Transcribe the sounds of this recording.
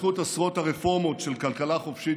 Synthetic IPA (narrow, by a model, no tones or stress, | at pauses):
χut̪asʁo̞thaʁefo̞ʁmo̞tʃelkalkalaχofʃi